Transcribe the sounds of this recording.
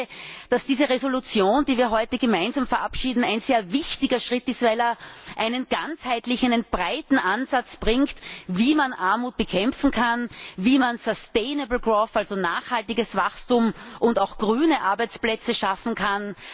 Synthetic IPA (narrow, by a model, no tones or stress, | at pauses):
d̥asd̥iːzəʁezolut͡sjoːndiːviːɐɦɔʏtəɡəmaɪnzaːmfɛɐʔapʃiːdn̩æɪnzeːɐvɪçtɪɡɐʃʁɪtɪstv̥æɪlɛɐʔæɪnənɡ̥ant͡shæɪtlɪçæɪnənb̥ʁaɪtn̩ʔanzat͡sb̥ʁɪŋktviːmanʔaɐmuːt̚b̥əkʰɛmfn̩kʰanviːmansɔsteːnəbl̩ɡʁofalzonaːχhaltɪɡəsv̥axstʊmʔʊntaʊxɡ̥ʁyːnəʔaɐbæɪt͡splɛt͡səʃafn̩kʰan